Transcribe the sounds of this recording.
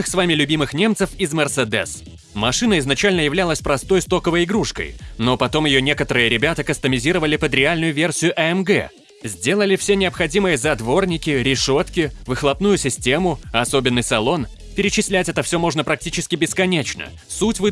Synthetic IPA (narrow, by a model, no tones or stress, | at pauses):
ɨxsvamʲɪlʲʊbʲimɨxnʲe̞mt̪sɨfɪzmʲɛrsɛd̪ɛ̰s | mɐʂɨnəɪznɐt͡ɕælʲnəjɪvlʲalˠəsʲpɾɐst̪o̞jst̪o̞kəvəjɪɡɾuʂkə̰jno̞pɐt̪o̞mjɪjonʲe̞kət̪əɾɨjəɾʲɪbʲat̪əkəst̪əmʲɪzʲiɾəvəlʲɪpəd̪ɾʲɪalʲnʊjʊvʲersʲɪjʊʔɐɛmɡɛ̰ | zʲdʲe̞lˠəlʲɪfsʲenʲɪɐpxɐdʲimɨjəzɐd̪vo̞rnʲɪkʲɪɾʲɪʂo̞t̪kʲɪvɨxlˠɐpnujʊsʲɪsʲtʲe̞mʊɐso̞bʲɪnːɨjsɐlˠo̞n | pʲɪɾʲɪt͡ɕɪsʲlʲætʲɛt̪əfsʲo̞mo̞ʐnəpɾɐk̚tʲit͡ɕɪskʲɪbʲɪskɐnʲet͡ɕnə̰ | sutʲvɨ